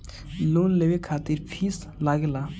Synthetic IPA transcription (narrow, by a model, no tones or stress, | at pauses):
loːnlewekʰaːt̪iɾpʰiːs | laɡla